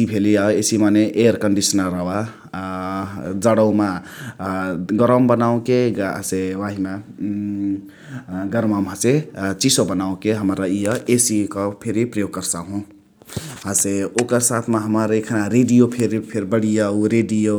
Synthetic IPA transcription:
ipʰeliaesimaneʔeɾkəɳɖisənəɾːəwa | d͡zəɽəwma | ɡəɾəmbənaũkḛseʋaɦima | ɡəɾmamɦaset͡ʃisobənaũkeɦəmɾaijəʔesikɔpʰeɾipɾəjoɡ̚kəɾsaɦũ | ɦaseokəɾsat̪ʰmaɦəmaɾekʰənaɾeɖijopʰeɾipʰeɾbəɽijauɾeɖijo

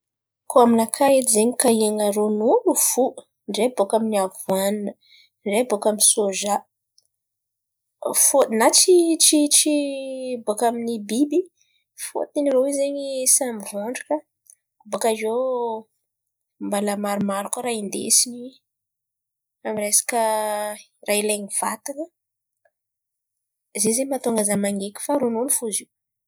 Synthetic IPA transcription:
kʰoaminakʰaet̪zeɲikaiaŋaɾonulufu | ɳɖ͡ʐebokaminiavuaninə | ɖ͡ʐebokaminsoʒa | fot̪nat͡ʃit͡ʃit͡ʃibokaminibibi | fo̰t̪iniɾoizeɲisamivoɳɖ͡ʐakə | bakazo | mbalamaɾumaɾukaɾaind̪ḛsini | amiresḁkə | rʔaileɲiv̥a̰t̪anə | zezemat̪oaŋɡazamaŋɡekʲu̥faɾununifuziw

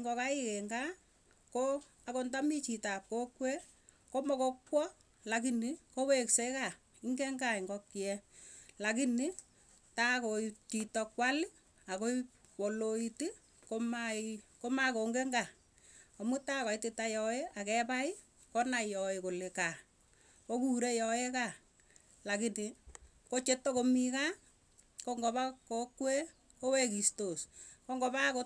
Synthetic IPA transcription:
ŋɡɔkaikeŋɡa | ko | akontamit͡ʃitap̚kokwe | komɔkokwɔ | lakinikowekseka | ɪŋɡeŋɡaiŋɡɔkːiɛlakini | takotitɔkwali | ako | wɔloiti | komakomakoŋɡeŋɡa | ɔmutakɔitɪtajɔeakɛpaɪ | kɔnajɔekoleka | kokuɾejɔeka | lakini | kot͡ʃetːokomika | koŋɡoβakokwe | kowekistoskoŋɡɔbako

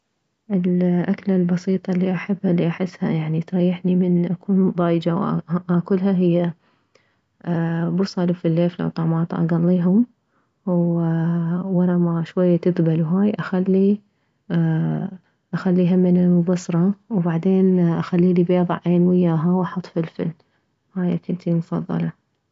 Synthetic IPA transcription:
ʔɪlʔaklalbɑsiːt̪ˤɑlːiʔaħabːhalːiʔaħɪsːha̰jaʕnit̪ɾˤɑjːaħnimɪnʔakʰuːnðˤɑːjd͡ʒawʔakʊlhaɦɪjːa | bʊsˤɑlfilːeːfla̰wt̪ˤɑʕmɑːt̪ˤʔɑ̰ɡɑlːiːɦʊm | w | wɑɾˤɑmaʃwajːat̪ɪd̪balwɦaːjʔaxalːi | ʔaxalːiɦamɪnalmʊbɑsɾˤɑwbaʕd̪eːnʔaxalːiːlibeːðˤɑ̰ʕʔeːnwɪjːaːɦawaħɑt̪ˤfilfɪ̰l | haːja̰kʊnt̪ʰimʊfɑ̰ðˤːɑ̰lɑ

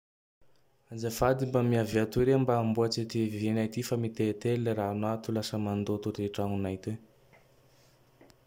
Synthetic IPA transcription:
ad͡ʒafad̪imbamiaviat̪uɾembaːmbuat͡sit̪ivenajt̪ifamit̪et̪elːəranat̪ulasəmand̪ot̪uɾeʈ͡ʂaŋunajt̪e

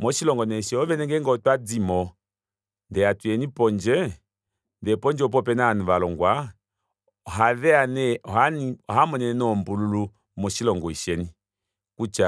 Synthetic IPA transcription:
mɔʃilɔŋɡɔnɛʃɛɔvɛnɛŋɡɛŋɡɔtwad͡zimɔ | ndɛatwɛnipɔnd͡ʒɛ | ndɛpɔnd͡ʒɛɔp̬ɔpɛnanuvalɔŋɡwa | ɔɦaðɛanɛɔɦaniɔɦamɔnɛnɔmbululu | mɔʃilɔŋɡɔiʃɛni | kut͡ʃa

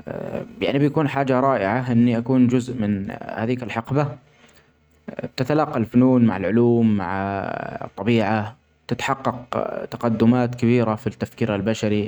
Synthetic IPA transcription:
ja̰ʕnibjakuːnħaːd͡ʒaɾˤɑːʔɪʕaʔɪnːiʔakuːnd͡ʒʊzʔmɪnhaːðiːkalħɪqba | t̪ɪt̪alɑːqːɑlfʊnuːnma̰ʕalʕʊluːmːa̰ʕ | t̪ˤːɑbiːʕa | t̪ɪt̪ħɑqːɑqt̪ḁqɑd̪ːʊmaːt̪kabiːɾafit̪ːafkiːɾalbaʃaɾi

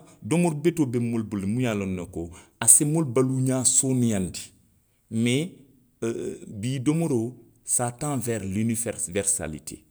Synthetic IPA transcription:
domoɾbetobemolbulmujalonːɐkoasemolbaluɲaːsonijãndi̥ | me | biːdomoɾo | satãvɛɾlinifɛvɛɾsa̰lḭtʰḛ

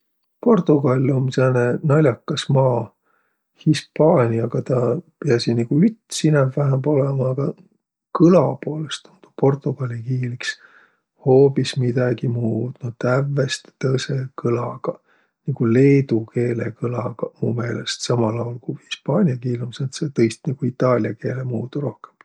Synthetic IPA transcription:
po̞rt̪ˑuɡ̥ɑlʲilomsenenɑlʲjɑkːɑsmɑː | hispɑːnʲiɑɡ̥ɑt̪ɑpeɑsiniɡ̥uyt̪ːˑsinɛvvæɦæmbo̞lemɑːɡ̥ɑ | kɯlɑpo̞ːlest̪ont̪u̥po̞rt̪ˑuɡ̥ɑlʲikiːliks | ho̞ːpismid̪̥ɑɡimuːd̪̥nut̪ævːest̪t̪ɤse̞kɯlɑɡ̥ɑ | niɡ̥ule̞ːd̪ukʰe̞ːlekɯlɑɡ̥ɑmṵːme̞ːle̞st̪sɑmɑlɑolkuhi̥spɑːnʲiɑkiːlumsent̪set̪ɤjst̪niɡ̥uit̪ːˑɑːlʲjɑke̞ːlemuːt̪uɾo̞hkem

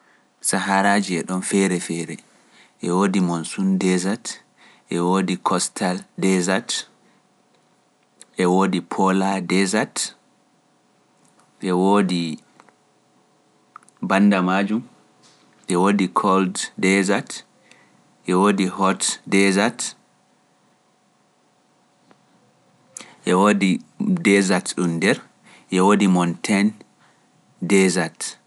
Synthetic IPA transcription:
saɦaɾaːd͡ʒiɛɗɔnfɛɾɛfɛɾɛ | ʔɛwoːdimonsundɛzat | ʔɛwodikʰɔstʰaldɛzat | ʔɛwoːdipʰɔladɛzat | ʔɛwoːdi | bandamad͡ʒum | ʔɛwoːdikʰɔlddɛzat | ʔɛwoːdihɔtdɛzat | ʔɛwodidɛzatɗumdɛɾ | ʔɛwoːdimɔntʰɛn | dɛzat

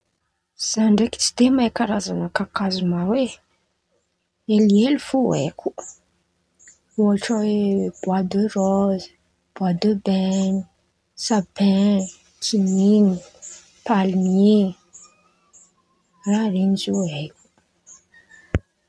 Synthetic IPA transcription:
z̥aɳɖ͡ʐeki̥t͡si̥d̪emajkaɾazanəkakazumawe | elielifua̰jkʰʲu | uaʈ͡ʂaweb̥wad̪ørɔz̥ | b̥wad̪əbɛni | sabɛ | kinini | palmi | raɾinizuajkʲu̥

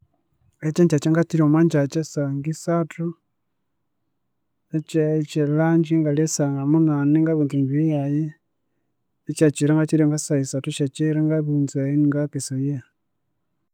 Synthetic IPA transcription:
et͡ʃeɲt͡ʃat͡ʃeŋɡat͡ʃiɾiomaɲd͡ʒat͡ʃesaŋɡisatu | et͡ʃet͡ʃelaɲd͡ʒiŋɡalesaŋɡamunaniŋɡaβiːntuɲɡijaji | et͡ʃat͡ʃiɾaŋɡat͡ʃiɾeŋɡasaisatuʃat͡ʃiɾeŋɡaβiːntuajiniŋɡakesoje

